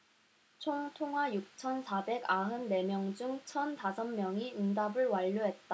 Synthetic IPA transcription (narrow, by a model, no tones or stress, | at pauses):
t͡ɕʰoŋtʰoŋwajuk̚t͡ɕʰʌnsʰabe̞ɡaɦɯnːe̞mjʌŋd͡ʑuŋt͡ɕʰʌntasʰʌnmjʌŋiindabɯɭwaʎːuɦe̞t̚t͈a